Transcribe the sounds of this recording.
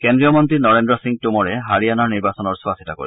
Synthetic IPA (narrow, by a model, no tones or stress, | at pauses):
kendɹijɔmɔnt̪ɹinɔɹendɔsiŋ̚tumɔɹɛɦaɹijanaɹniɹbasɔnɔɹsuasʰitako̰ḭ